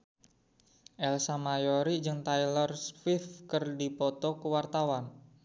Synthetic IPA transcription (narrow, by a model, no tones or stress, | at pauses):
ʔɛlsamajɔɾid͡ʒɨŋt̪ajlərsfifkɨrdipɔt̪ɔkəwart̪awan